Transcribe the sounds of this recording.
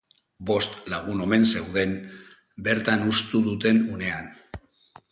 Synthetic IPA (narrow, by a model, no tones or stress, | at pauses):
bo̞st̪laɣ̞uno̞me̞nse̞wðe̞m | be̞ɾt̪anust̪uðut̪e̞nune̞an